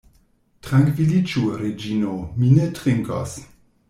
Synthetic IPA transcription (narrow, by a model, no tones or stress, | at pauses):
tɾaŋkvilit͡ʃuɾed͡ʒinominetʁiŋka̰s